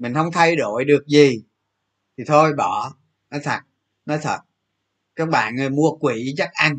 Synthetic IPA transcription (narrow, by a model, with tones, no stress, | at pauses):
mï˨˩ŋ̟hə˧wŋ͡mt̪ʰa˧jɗo˧˩˦jɗɨ˨˩ək̚zi˨˩ | t̪ʰi˨˩t̪ʰo˧jɓɔ˧˩˦ | nɔ˨˦jt̪ʰə˨˩t̚ | nɔ˨˦jt̪ʰə˨˩t̚ | kaː˦˥k̚ɓa̰ː˧˨nŋɨ˨˩jmu˧əkwi˧˩˦za˦˥t̚ʔa˧n